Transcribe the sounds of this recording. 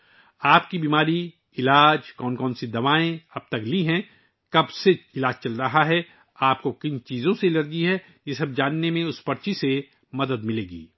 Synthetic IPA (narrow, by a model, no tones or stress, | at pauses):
aːpkibiːmaːɾi | ɪlaːd͡ʒkɔːnkɔːnsid̪ɐʋaːẽɐb̚t̪ɐkliɦɛ̃ | kɐbseɪlaːd͡ʒt͡ʃɐlɾɐɦaɦɛ | aːp̚kokɪnt͡ʃiːzõseɪlɐɾd͡ʒiɦɛ | jesɐb̚d͡ʒaːnːemẽʊspɐɾt͡ʃise | mɐd̪əd̪mɪleːɡḭː